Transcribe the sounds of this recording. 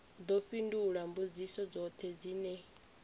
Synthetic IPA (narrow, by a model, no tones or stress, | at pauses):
d̪ɔɸinduɺambud͡zisɔd͡zɔt̪ʰɛd͡ziːnɛ